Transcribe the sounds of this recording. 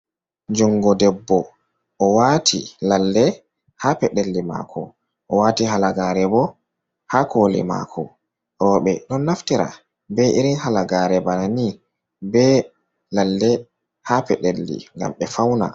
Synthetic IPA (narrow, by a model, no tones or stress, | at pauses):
d͡ʒuŋɡɔdɛbːɔ | ʔːwatʰḭlalːɛ | hapɛɗelːima̰kʰɔ̰ | ʔɔwatiɦalaɡaɾɛbɔ | hakolḭma̰kʰɔ | ɾɔːɓɛɗɔnːaftiɾa̰ | bɛʔiɾinhalaɡaɾɛbanani | bɛ | lalːɛ | hapɛ̰ɗelːḭŋɡa̰mɓɛfawna̰